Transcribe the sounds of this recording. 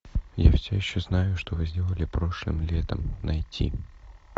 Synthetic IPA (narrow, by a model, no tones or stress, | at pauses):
jafsʲojɪɕːoznajʊʂt̪ovɨzʲdʲelˠəlʲɪpɾo̞ʂlˠɨ̰mlʲet̪ə̰mnɐjtʲʰḭ